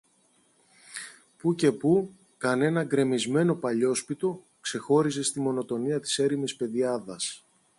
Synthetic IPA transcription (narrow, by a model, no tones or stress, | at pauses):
puce̞pu | kɐne̞nɐɡɾe̞mizme̞no̞pɐʎo̞spit̪o̞ | kse̞xo̞ɾise̞st̪imo̞no̞t̪o̞niɐt̪i̥se̞ɾimispe̞ðiɐðɐs